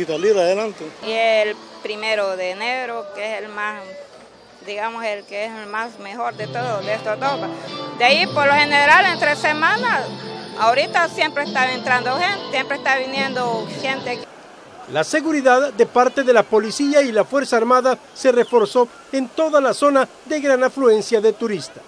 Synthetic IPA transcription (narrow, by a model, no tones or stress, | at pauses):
isaliɾaðelant̪eieelpɾimeɾoðeːneɾokeeselmas | d̪iɣamoselkeeslmasmexoɾd̪et̪oðoðeest̪od̪okad̪eaipoɾloheneɾalent̪ɾesemãnasaoɾit̪asjempɾest̪aent̪ɾand̪oxent̪e̥sjempɾest̪aβinjend̪oxent̪ek | lase̞ɣuɾiðaðd̪e̞paɾt̪e̞ðe̞lapo̞lisiailafwe̞ɾsaːɾmaða | se̞re̞fo̞ɾso̞ | e̞nt̪o̞ðalaso̞na | ðe̞ɣɾanaflue̞nsjaðe̞t̪uɾist̪ḁ